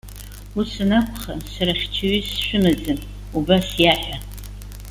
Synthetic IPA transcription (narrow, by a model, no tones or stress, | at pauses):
usɨnakʷʰχasaɾaχʲt͡ʃʰaɥisʃʷᶣʊmɨd͡zɨn | ubasjaħʷᶣa